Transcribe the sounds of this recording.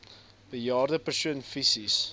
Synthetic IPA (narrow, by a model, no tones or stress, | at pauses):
bəjɑːrdəpərsuənfisis